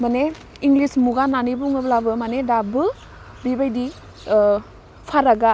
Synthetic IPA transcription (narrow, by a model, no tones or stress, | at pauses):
mane | iŋɡlismuɡananibuŋɯblabɯmanedabɯ | bibajdi | pʰaɾaɡa